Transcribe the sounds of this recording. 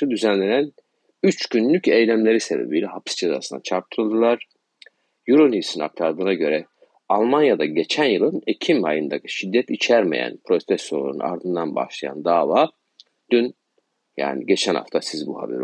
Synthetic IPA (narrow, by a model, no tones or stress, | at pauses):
ud̪yzænlʲe̞næn | yt͡ʃɟynlʲycejlʲæmlʲe̞ɾise̞be̞̰bilʲɛɦapʰi̥sd͡ʒeza̰ːsɯna̰t͡ʃʰaɾt̪ʰɯlˠd̪ɯlˠaɾ̥ | juɾunhisina̰k̚t̪ʰaɾd̪ɯːnaɟø̞ɾɛ | alˠmanjad̪aɟe̞t͡ʃʰænjɯlˠɯnecʰimajɯnd̪akɯ̥ʃid̪ːɛt̪it͡ʃʰæɾme̞̰jæ̰npʰɾo̞st̪ɛsolˠṵɾṵna̰ɾd̪ɯnd̪anba̰hʃlˠaja̰nd̪aːvaː | d̪yn | ja̰ːniɟe̞t͡ʃʰænha̰ft̪ʰasizbuha̰bḛɾ